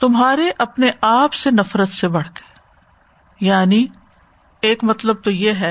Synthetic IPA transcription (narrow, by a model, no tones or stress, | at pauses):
t̪ʊmɦaːɾeʔɐpneʔaːpsenɐfɾət̪sebɐɽ̤ke̥ː | jaːni | eːkmɐt̪ləb̚t̪ojeɦɛː